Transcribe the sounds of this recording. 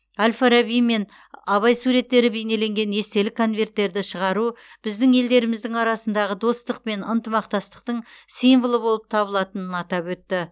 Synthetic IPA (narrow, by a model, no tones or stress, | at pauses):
alʲfaɾabijme̞n | ɑβɑjsuɾe̞t̪ːe̞ɾɪbe̞jne̞le̞ŋɡʲe̞ne̞st̪e̞lɪkʰo̞nvʲe̞rt̪ːe̞ɾd̪ɪʃəʁɑɾub̥ɪzd̪ɪŋe̞ld̪e̞ɾɪmɪzd̪ɪŋɑɾɑsənd̪ɑʁəd̪o̞st̪əq̚pe̞nənt̪əmɑqt̪ɑst̪ə̥q̚t̪əɴsinvəlˠəbo̞lˠəp̚t̪ʰɑbəlˠɑt̪ənənɑt̪ɑpwɵt̪ːɪ